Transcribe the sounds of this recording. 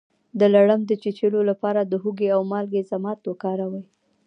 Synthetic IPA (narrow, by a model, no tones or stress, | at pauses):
d̪əlaɽəmd̪ət͡ʃet͡ʃelolapɑɾad̪əɦuɡeawmɑlɡezamɑt̪wokɑɾawəj